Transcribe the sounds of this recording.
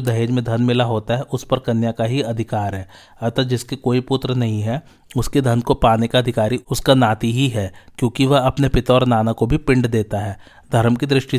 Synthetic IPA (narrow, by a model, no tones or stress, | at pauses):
od̪ɐɦeːd͡ʒmẽd̪ʱɐnmɪlaɦoːt̪aɦɛʔʊspɐɾkɐnjakaɦiɐd̪ʱɪkaːɾɦɛː | ɐt̪ad͡ʒɪskekoːipʊt̪ɾənɐɦĩɦɛ | ʊsked̪ʱɐnkopaːnekaɐd̪ʱɪkaːɾiʊskanaːt̪iɦiɦɛːkjõːkiʋɐɦɐpnepɪt̪aɔːɾnaːnakobʱipɪ̃ɳɖd̪eːt̪aɦɛː | d̪ʱɐɾmkid̪ɾɪʃʈi